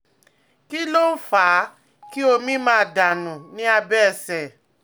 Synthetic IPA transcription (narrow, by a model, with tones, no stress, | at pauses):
ki˦lo˦faː˨˦ | ki˦o˧mĩ˦mãː˦˧˨da˨nũ˨nĩ˨˦a˧bɛ˦˨sɛ˨